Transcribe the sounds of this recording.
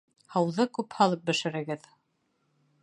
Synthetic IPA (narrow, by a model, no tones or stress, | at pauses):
hɑwðɤkʉphɑlˠɤp̚bɘ̆ʃɘ̆ɾɘ̆ɡɘð